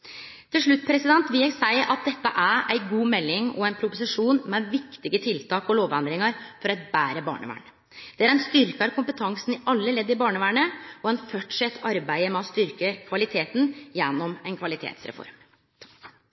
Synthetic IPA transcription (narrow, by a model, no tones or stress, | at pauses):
t̪ʰɪlʂɭʉt̪ːpʰɾɛsɪd̪ɛnt̪ʋɪæɪsæɪʔɑt̪̚d̪ɛt̪ːəʔæɾæɪɡuːmɛlːɪŋɔæɪnpʰɾʊpʊsɪʂuːnmɛʋɪkt̪ɪɡət̪ʰɪlt̪ʰɑːkɔloːʋɛnd̪ɾɪŋəɾfɔɾɑt̪bæːɾəbɑ̰ːɳə̰ʋæ̰ːɳə | d̪̥ɛæɾɛnst̪ʏɾkəɑɾkʰʊmpət̪ʰɑŋsn̩ɪʔɑlːəlɛd̪ːɪbɑːɳəʋæːɳəɔɛnfœʈʂɛt̪ʰːɑɾbæɪəmɛɔst̪ʏɾkəkʰʋɑlɪt̪ʰeːt̪n̩jɛnːɔmɛnkʰʋɑlɪt̪ʰḛːt̪sɾɛ̰fɔ̰ɾm